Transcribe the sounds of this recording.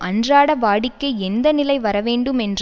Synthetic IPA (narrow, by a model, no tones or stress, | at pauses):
ɐndraːɽɐʋaːɽɪkːɐɛnd̪ɐnɪlɐɪʋɐɾɐʋeːɳɖɯmɛndr